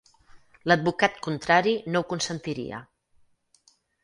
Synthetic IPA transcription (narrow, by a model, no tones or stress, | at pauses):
ləd̪̚bukat̪kunt̪ɾaɾinokunsənt̪iɾḭə̰